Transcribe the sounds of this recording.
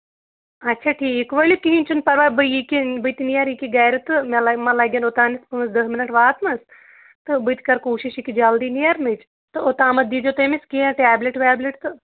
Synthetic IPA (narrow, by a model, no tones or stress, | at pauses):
ɐtːt͡ʃʰaːʈʰiːkʋɐlikiɦĩnʲt͡ʃʰunpɐɾʋaːbɨjikibɨt̪inijɐɾikiɡaːjɾɨt̪ɨmalɐmɐlaɡʲɐːnot̪aːnispɨnɐsd̪ɐɦminɐʈʋaːt̪mɐs | t̪ɨbɨt̪ʲkɐɾkoːʃiʃikid͡ʒɐld̪iːnijɐɾnɨt͡ʃ | t̪ɨot̪aːmɐt̪̚d̪iːd͡ʒot̪emiskijãʈaːbleʈʋaːbleʈt̪ɨ